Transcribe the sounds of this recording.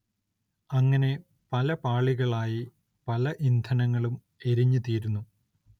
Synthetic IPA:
ɐŋːɐne̞ | pɐlɐpaːɭiɣɐɭaːji | pɐlɐʔind̪ʰʱɐnɐŋːɐɭum | e̞ɾiɲːut̪iːɾunːu

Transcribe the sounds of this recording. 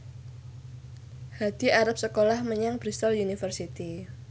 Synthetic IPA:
had̪̥iaɾap̚səkolahməɲaŋb̥ɾist̪ɔljunifərsit̪i

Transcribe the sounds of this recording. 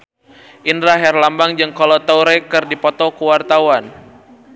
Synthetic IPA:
ʔinɾaɦɛrlambaŋd͡ʒɨŋkɔlɔt̪awɾɛkɨrdipɔt̪ɔkuwart̪awan

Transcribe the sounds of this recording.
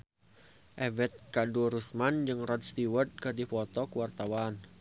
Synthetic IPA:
ʔɛvɛt̪̚kaduɾusmand͡ʒɨŋrɔt̪̚st̪iwərt̪̚kɨrdifɔt̪ɔkəwart̪awan

